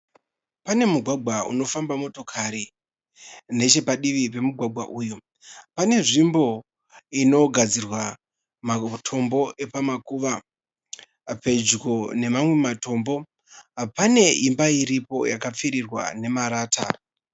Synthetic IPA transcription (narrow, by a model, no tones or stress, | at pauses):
pane̞muɡʱwaɡʱwaṵno̞fambamo̞to̞kʰaɾi | ne̞t͡ʃe̞paɗiʋipe̞muɡʱwaɡʱwa̰ʔuːjo | pane̞ʐimbo̞ | ino̞ɡʱad͡zirwa | matʰo̞mbo̞ʔe̞pamakuʋa | pe̞d͡ʒɡone̞mamwe̞mato̞ːmbo̞ | ɦapane̞imbaiɾipo̞̰jakap͡fiɾirwa̰ne̞maɾaːtʰa̰